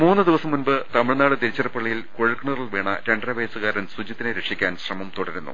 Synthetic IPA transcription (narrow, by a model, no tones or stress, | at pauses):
muːnːɨd̪iʋɐsɐmːunbɨt̪ɐmiɻnaːɽɨt̪iɾit͡ɕːɐrɐpːɐɭːijilkoɻikːɳuriɭʋeːɳɐ̰ɾeɳɖrɐʋɐjsuɣaːɾɐnsud͡ʑit̪ːineɾekʂikʲːaːnɕrɐmɐmt̪uɽɐɾunːṵ